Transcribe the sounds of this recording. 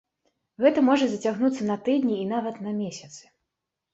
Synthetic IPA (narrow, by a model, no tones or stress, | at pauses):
ɣɛt̪ɐmɔʐɐzɐt͡sʲaɣnut̪sːɐnɐt̪ɨd̪ʲnʲiːnavɐt̪nɐmʲesʲɐt̪sɨ̥